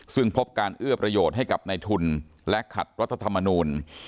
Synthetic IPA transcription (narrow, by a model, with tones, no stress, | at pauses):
sɯ˥˩ŋpʰo˦˥p̚kaː˧nʔɯ˥˩ɐpɾa˧joː˨˩t̪̚ɦa˥˩jka˨˩p̚na˧jt̪ʰu˧nlɛ˦˥kʰa̰˨˩t̪̚wa˦˥t̪ʰːa˧t̪ʰa˧mːa˧nuː˧n